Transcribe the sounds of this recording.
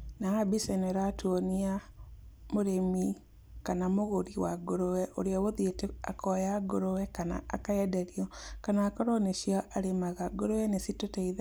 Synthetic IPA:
naabisɛneɾatwonia | moɾemi | kanamoɣoɾiwaɡoɾowɛʔo̰ɾeawoðjeteakɔjaɡoɾowɛkana̰a̰kaɛdɛɾiɔkanaːkɔɾɔneʃiaʔaɾemaɣaɡoɾowɛnesitotɛið

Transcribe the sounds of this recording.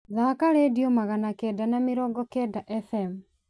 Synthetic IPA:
ðakaɾediomaɣanakɛdanamiɾɔɡɔkɛdaʔɛfɛm

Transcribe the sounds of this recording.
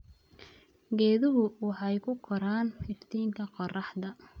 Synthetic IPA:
ɡɛːðʊɦʊwɑħɑjkʰʊqʰɔɾaːnhɪrt̪ʰiːŋkʰɐqɔrɑħd̪ɐ

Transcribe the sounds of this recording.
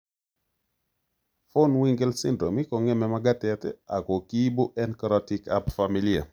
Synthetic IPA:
fonwiŋɡelsindɾomikɔŋɛmɛmaɡatɛtɛa̰kokibuʔɛnkɾɔtika̰bfamilia̰

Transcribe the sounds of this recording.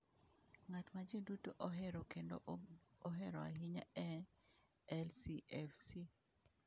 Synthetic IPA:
ŋatmad͡ʒedutoʔoɦɛɾɔkendo̰oɦɛɾɔa̰ɦɪɲa̰ɛ | ɛlsiʔɛfsi

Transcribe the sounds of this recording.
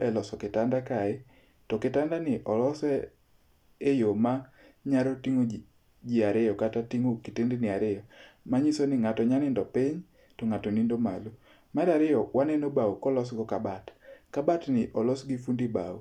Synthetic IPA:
ɛlɔsɔkɪtandakaɪ | tɔkɪtandanɪʔɔlɔsɛ | ejoma | ɲaɾotiŋo | d͡ʒɪaɾɪjɔkatatiŋokitendenɪaɾɪjɔmaɲisonɪŋatɔɲanɪndɔpɪɲ | tɔŋatɔnindoma̰lo | maɾaɾɪjɔwanɛnobaukɔlɔsɡɔkabatkabatnɪʔɔlɔsɡifundiba̰ṵ

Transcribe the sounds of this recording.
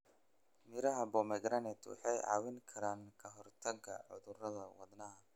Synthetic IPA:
mɪɾɐɦɐbɔmɐɡɾɐnɛt̪ʰwɑ̰ħɑjʕɑ̰ːwɪŋkʰɐɾaːŋkʰɐɦɔrt̪ʰɐɡɐ̰ʕʊ̰ðʊrɐðɐwɐ̰d̪nɐɦɐ

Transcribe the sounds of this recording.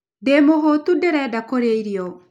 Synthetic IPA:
demoɦotudɛɾɛdakoɾeiɾiɔ

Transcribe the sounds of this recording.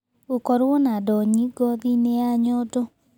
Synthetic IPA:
okɔɾwɔnadɔɲiɡɔðineaɲɔdɔ

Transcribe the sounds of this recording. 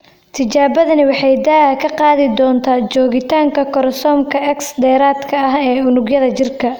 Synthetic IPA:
t̪ʰɪt͡ʃaːβɐðɐnɪwɑħɑjd̪aːkʰɐqɑːðɪd̪ɔːnt̪ʰaːt͡ʃɔːɣɪt̪ʰaːŋkʰɐkʰɔɾsɔːmkʰɐʔɛksd̪ɛːɾaːd̪kʰɐɐɦɛːʊnʊɡjɐðɐt͡ʃɪrkʰɐ

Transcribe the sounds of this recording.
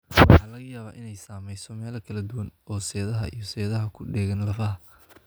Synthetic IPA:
wɑħɑːlɐɣɐjaːβaːʔɪnɛjsaːmɛjsɔmɛːlɐkʰɐlɐd̪ʊwɐnɔːsɛːðɐɦɐ̰ʔḭjɞsɛːðɐɦɐkʰʊɖɛːɣɐnlɐfɐɦɐ

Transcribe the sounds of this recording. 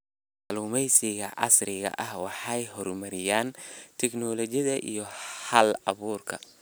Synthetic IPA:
mʕluːmɛjsɪɣɐʔɑ̰srɪɣɐ̰ʔɐhwɑħɑjɦɔrmɐɾɪjaːnt̪ʰɛknɔlɔt͡ʃjɐðɐʔḭjɔhɐlɐβuːrkʰɐ̰

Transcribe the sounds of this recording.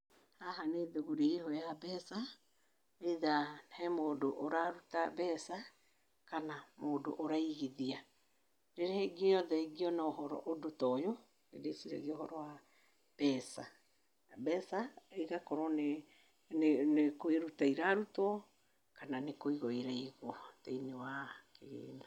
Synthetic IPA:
haɦaneðoɣuɾeeɦɔjabɛsa | eðahɛmoːdoʔoɾaɾutabɛsa | kanamoːdo̰ʔoɾaiɣeðia | ɾeɾeheɡiɔjɔðɛeɡiɔnaoɦɔɾɔ̰ʔodotɔjo | ḛdesiɾɛ̰ɣeohɔɾɔwa | b̥ɛsa | bɛsaiɣakɔɾɔne | nnekoeɾutaiɾaɾutɔ | kananekoiɣɔiɾaiɣwɔtainewakeɣḛːna

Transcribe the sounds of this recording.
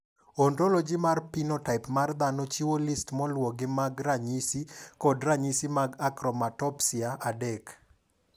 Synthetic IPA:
ondolod͡ʒɪmarpinɔtaɪpmard̪anot͡ʃiwolistmɔlwɔɡɪmaɡraɲisikɔdraɲisimaɡakɾɔmatɔpsiaʔadɛk

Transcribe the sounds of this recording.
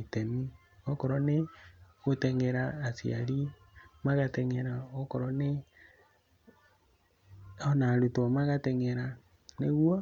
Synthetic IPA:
tɛni | ɔkɔɾɔneɣotɛŋɛɾaːsia̰ɾi | maɣatɛŋɛɾaokɔɾɔne | ɔnaɾutɔmaɣatɛŋɛɾa | neɣwɔ

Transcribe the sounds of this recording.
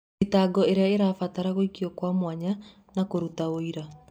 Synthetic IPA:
itaːɡɔeɾeaeɾaːfataɾaɣoikiɔkwamwaɲa | nakoɾutaoiɾa

